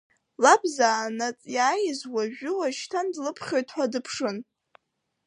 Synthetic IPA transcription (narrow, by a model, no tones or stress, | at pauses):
labzaːnat͡sʼjaːjɪzwaʒᶣʊwaʃtʰandlɨpʰχʲojtʰħʷadɨpʰʂɨn